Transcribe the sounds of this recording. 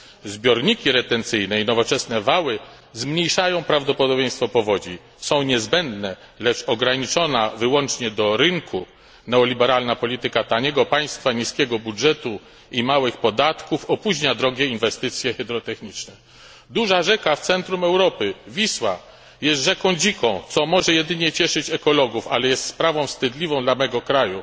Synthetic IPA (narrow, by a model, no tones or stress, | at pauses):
zbʲjɔɾɲikʲiɾɛt̪ɛnt̪sɘjnɛinɔvɔt͡ʂɛsnɛvawɘ | zmɲejʂajɔ̃w̃pɾavd̪ɔpɔd̪ɔbʲjɛ̃j̃st̪fɔpɔvɔd͡ʑi | sɔ̃w̃ɲɛzbɛnd̪nɛ | lɛt͡ʂɔɡɾaɲit͡ʂɔnavɘwɔnt͡ʂɲɛd̪ɔɾɘŋkʰu | nɛɔlʲibɛɾalnapɔlʲit̪ɘkat̪aɲɛɡɔpaj̃st̪faɲiskʲɛɡɔbudʐɛt̪u | imawɘxpɔd̪at̪kufɔpuʑɲad̪ɾɔɡʲjɛinvɛst̪ɘt̪sʲjɛxɛd̪ɾɔt̪ɛxɲit͡ʂnɛ | d̪uʐaʐɛkaft̪sɛnt̪ɾumɛwɾɔpɘvʲiswa | jɛst̪ʐɛkɔ̃w̃d͡ʑikɔ̃w̃t̪sɔmɔʐɛjɛd̪ɘɲɛt͡ɕɛʂɘt͡ɕɛkɔlɔɡufalɛjɛst̪spɾavɔ̃w̃fst̪ɘd̪lʲivɔ̃w̃d̪lamɛɡɔkɾaju